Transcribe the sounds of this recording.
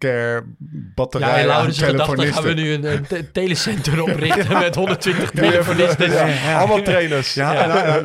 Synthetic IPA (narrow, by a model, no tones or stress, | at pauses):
kɛɹbɑtəjaɛjjlawselədɑfotənɪaʋənyənəntejləsɛntərɔprɪŋəmɛtɦɔndətʋɪntə̥χtelfonɪstəsɑlˠmɑlˠtrejnəsaj